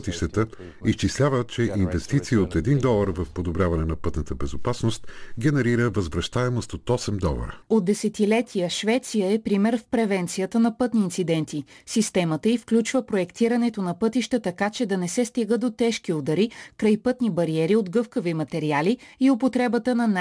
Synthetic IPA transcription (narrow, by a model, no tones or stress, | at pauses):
t̪iʃt̪ət̪ə | ist͡ʃislʲavət͡ʃɛʔinvɛst̪it̪siot̪ɛd̪ind̪ɔlˠəɾvəfpod̪obɾʲjavɐnɛnɐpɤt̪nət̪əbɛzopasnost̪ɡʲɛnɛɾiɾəvəzvɾɐʃt̪aɛmost̪ot̪ɔsɛmd̪ɔ̰lˠə̰ɾə̰ot̪d̪ɛsɛt̪ilɛt̪ʰijəʃvɛt̪sijəɛpɾimɛɾfpɾɛvɛnt̪sijət̪ənɐpɤt̪niːnt̪sid̪ɛnt̪isist̪ɛmət̪əifklʲut͡ʃvəpɾoɛkt̪iɾɐnɛt̪onɐpɤt̪iʃt̪ət̪ɐkat͡ʃɛd̪ɐnɛsɛst̪iɡəd̪ot̪ɛʃkiod̪ɐɾikɾajpɤt̪nibɐɾiɛɾiod̪ɡɤfkəvimɐt̪ɛɾialiiopot̪ɾɛbət̪ənɐn